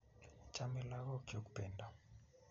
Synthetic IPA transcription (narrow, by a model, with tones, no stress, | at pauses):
t͡ʃamɛ˦la˦ɣɔ˦kjo˦kupɛnda˨